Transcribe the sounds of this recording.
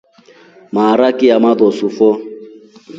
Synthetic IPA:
maːɾakɪjamaðɔsufɔ

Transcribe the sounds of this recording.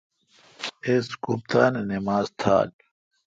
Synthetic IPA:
eskup̚t̪aːnenemaːzt̪ʰa̰ːl

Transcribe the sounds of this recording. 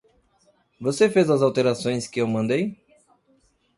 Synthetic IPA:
vosefezɐzawt̪eɾasõj̃skɪewmɐ̃nd̪ej

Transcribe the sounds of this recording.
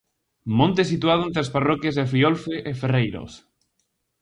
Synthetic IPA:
mõnt̪esit̪uað̞oent̪ɾasparɔkjazðefɾiolfeʔeferejɾo̰s

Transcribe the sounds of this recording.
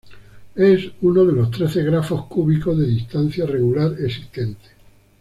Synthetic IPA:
e̞sunoðe̞lo̞st̪ɾe̞θeɣɾafo̞hkuβiko̞zðe̞ðist̪an̟θjare̞ɣulaɾe̞si̥st̪e̞nt̪e̥

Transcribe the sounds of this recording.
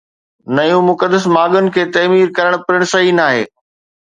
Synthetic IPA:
nɐjũmʊkəd̪əsmaːɠʊnɪ̆kʰeːt̪ɐːmiːɾkɐɾəɽ̃pɪɾɪɽ̃sɐɦinaːɦḛː

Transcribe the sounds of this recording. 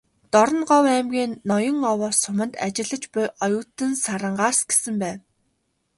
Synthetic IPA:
t̪ɔɾɞ̆nɢɔwæːmɡʲiːnːɔjɞ̆ŋɔwɔːsʊmə̆nt̪at͡ɕɪ̆ɮə̆t͡ɕpʊjʔɔjʊːt̪ɘ̆nsaɾə̆ɴɢaːsɡ̥e̥sɘ̆mpæːw

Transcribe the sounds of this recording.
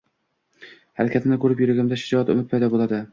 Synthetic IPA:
haɾakʲat̪ʰɪnɪkʰɵɾɪpjʊɾɪɡʲamd̪aʃɪd͡ʒɒat̪ʊ̰mɪt̪̚pʰajd̪ɒbolˠad̪ɪ

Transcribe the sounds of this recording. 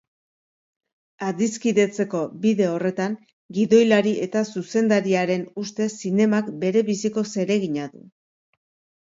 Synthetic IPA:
aðiskiðe̞t͡se̞ko̞biðe̞o̞re̞t̪aŋ | ɡiðo̞jlaɾie̞t̪asuse̞nd̪aɾiaɾe̞nust̪e̞sine̞makbe̞ɾe̞βisiko̞se̞ɾe̞ɣiɲaðṵ

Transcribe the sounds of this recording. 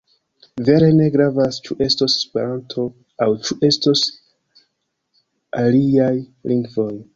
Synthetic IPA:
ve̞ɾe̞ne̞ɡɾavast͡ʃuʔe̞stose̥spe̞ɾantʰo̞ | awt͡ʃuʔe̞stos | aliajliŋɡvo̞j

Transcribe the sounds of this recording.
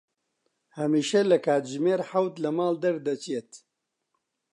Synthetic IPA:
hɐmiːʃɐlɐkʰaːt̪ʒmeːɾħawt̪lɐmaːld̪ɐɾd̪ɐt͡ʃet̪

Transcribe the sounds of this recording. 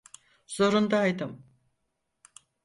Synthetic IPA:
z̥oɾund̪aːjd̪ɯm

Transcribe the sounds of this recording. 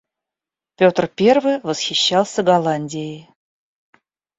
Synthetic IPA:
pʲo̞t̪rpʲe̞rvɨjvəsxʲɪɕːɑlˠsʲəɡɐlˠanʲdʲɪjɪ

